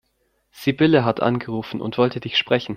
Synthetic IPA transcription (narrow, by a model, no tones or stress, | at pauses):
z̥ibɪləɦatʔa̰nɡəʁuːfn̩ʔʊ̰ntv̥ɔltədɪçʃpʁ̥ɛçn̩